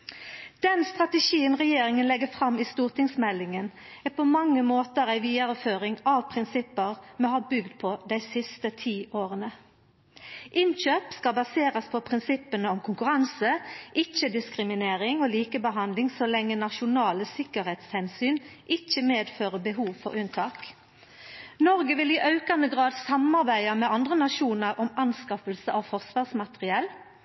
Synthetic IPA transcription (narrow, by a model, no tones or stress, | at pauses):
d̪̥ɛnst̪ʁɑt̪ɛʃiːənʁɛjeːɾɪŋənlɛɡəfɾɑmːiːst̪uːʁt̪ɪŋsmɛlːɪŋən | æːpʰɔmɑŋːəmoːt̪əʁæɪʋiːəɾəføːɾɪŋɑʋpʰʁɪnsɪpːəʁmɛhɑɾbʏɡd̪pʰɔd̪æɪsɪst̪ət̪ʰiːʔoːʁənə | ʔɪnɕøːpskɑbɑseːɾəspʰɔpʰɾɪnsɪpənəɔmkʰʊŋkʉɾɑnsəʔɪc͡çəd̪ɪskʁɪmɪneːʁɪŋoːliːkəbəɦɑnd̪lɪŋsɔlɛŋːənɑʃʊnɑːləsɪkəʁɛt̪shɛnsyːnʔɪc͡çəmeːd̪føːʁəbəɦuːʋfɔ̰ʁʉnt̪ʰɑːk | nɔʁɡəʋɪliʔɑʉkɑnd̪əɡʁɑːd̪sɑmɑʁbæɪɑmɛɑnd̪ʁənɑʃuːnəʁʔɔmɑnskɑfəlsəʔɑʋfɔʁsʋɑːʁsmɑt̪əʁɪɛl